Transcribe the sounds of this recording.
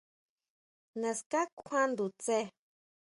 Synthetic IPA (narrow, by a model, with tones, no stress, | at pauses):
nã˧ska˦kʷʰã˦nd̪u˨t͡se˦˧˦